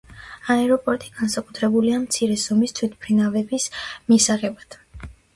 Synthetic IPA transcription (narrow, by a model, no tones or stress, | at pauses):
aɛɾɔpʼɔɾt̪ʼiɡ̥ansakʼut̪ʰɾɛbuliamt̪sʰiɾɛzɔmist̪ʰwit̪̚ʰpʰɾinavɛbismisaʁɛbad̪̥